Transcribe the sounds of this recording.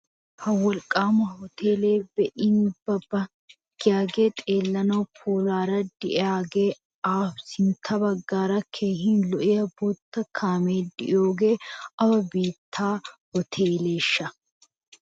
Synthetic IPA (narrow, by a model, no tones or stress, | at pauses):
hɐwɔlkʼaːmɐhɔt̪ʰe̞ːle̞ːbɛʔɪnbɐbɐ | ɡ̥ɪjaːɡe̞ːt̪ʼeːlːɐnɐwpʰoːlaːɾɐd̪ɪʔaːɡe̞ː | aːfsɪnt̪ʰːɐbɐɡːaːɾɐkʰeːhɪnlɔʔɪjɐboːt̪ːɐkʰaːmeːd̪ɪ̰jo̞ːɡe̞ːɐwɐbeːt̪ʰːaːhɔt̪ʰeːle̞ːʃːɐ